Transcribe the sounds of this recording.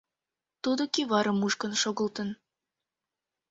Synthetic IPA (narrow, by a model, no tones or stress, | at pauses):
t̪ud̪okiβɑɾəmuʃkənʃoɣə̆lt̪ən